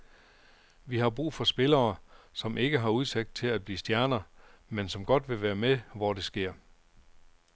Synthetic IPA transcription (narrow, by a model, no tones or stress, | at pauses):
ʋiɦɑ̈b̥ʁṵːfɒ̽sb̥e̝lɐːsɒ̽mʔe̝ɡ̥əɦɑ̈uð̞ˠseɡ̥̚d̥̚t͡sʰe̝læd̚b̥liːsd̥jæɐnɐmensɒ̽mɡ̥ɒ̽d̥ʋe̝ʋæːɐmeʋɒde̝sɡ̥e̝ɐ̰